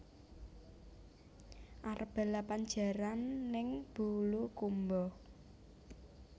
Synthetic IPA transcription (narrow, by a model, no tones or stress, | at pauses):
ʔarb̥a̤lapaɲd͡ʒa̤ɾanːɪŋb̥ulukumbɔ